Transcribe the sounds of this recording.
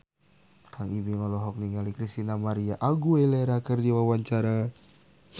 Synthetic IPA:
kʰaŋibiŋɔlɔɦɔk̚niŋalikɾist̪inamaɾiaʔaɡueleɾakərdiwawaɲt͡ʃaɾa

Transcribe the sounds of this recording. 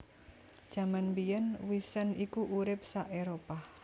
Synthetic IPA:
d̥ʒ̥a̤manmbijənwisənikuʔuɾɪp̚saʔeɾopah

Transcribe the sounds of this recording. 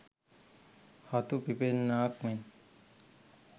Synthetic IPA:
hɔt̪upipennakmen

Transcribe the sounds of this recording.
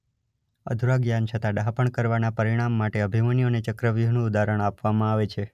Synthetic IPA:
ə̰d̪ʱuɾaɡjant͡ʃʰət̪ãɖaɦpəɳkəɾʋanapəɾiɽ̃amːaʈeəbʱimənijonet͡ʃəkɾəʋjonũud̪aɾəɳ̃apʋamãaʋet͡ʃʰe

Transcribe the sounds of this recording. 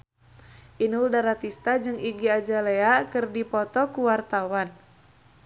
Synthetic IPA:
ʔinuldaɾat̪ist̪ad͡ʒɨŋiɡiad͡ʒaleakɨrdipɔt̪ɔkuwart̪awan

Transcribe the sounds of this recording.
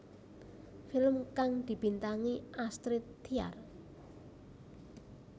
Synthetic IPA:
fɪlmkaŋd̪̥i̤b̥i̤nt̪aŋiʔast̪ɾɪt̪ːia̰r

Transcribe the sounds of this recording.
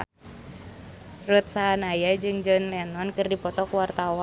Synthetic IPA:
rut̪̚saɦanajad͡ʒɨŋd͡ʒɔnlɛnɔnkɨrdipɔt̪ɔkuwart̪awa

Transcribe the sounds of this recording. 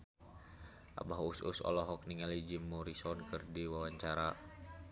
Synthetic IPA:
ʔa̰baɦusṵsɔ̰lɔɦɔk̚niŋalid͡ʒimːɔɾisɔnkɨrdiwawaɲt͡ʃaɾa

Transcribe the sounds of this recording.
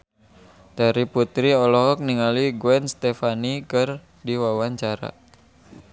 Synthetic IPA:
d̥aɾiput̪ɾiɔlɔɦɔk̚niŋaliɡwɛnst̪efanikɨr | diwawaɲt͡ʃaɾa̰

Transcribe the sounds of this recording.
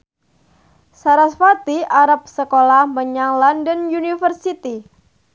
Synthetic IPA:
saɾasfat̪iaɾap̚səkolahməɲaŋlɔndənjunifərsit̪i

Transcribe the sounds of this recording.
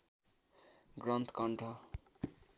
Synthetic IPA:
ɡrʌnt̪ʰkʌɳʈʰʌ

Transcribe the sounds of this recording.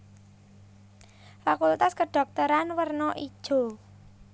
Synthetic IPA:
fakult̪askəɖ̥ɔ̤k̚t̪əɾanwərnɔʔid̥ʒ̥o̤

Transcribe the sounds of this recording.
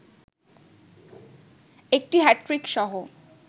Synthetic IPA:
ek̚ʈiɦɛʈːɾikʃɔɦo

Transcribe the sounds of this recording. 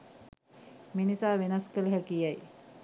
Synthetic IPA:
minisaːʋenɐskələɦækijaj

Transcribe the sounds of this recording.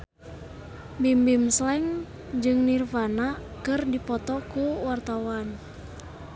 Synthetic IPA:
bimbimslɛŋ | d͡ʒɨŋnirfanakɨrdipɔt̪ɔkuwart̪awan

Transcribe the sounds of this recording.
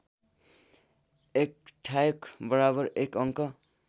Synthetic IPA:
ek̚ʈʰajʌkbʌɾabʌrekʌŋkʌ

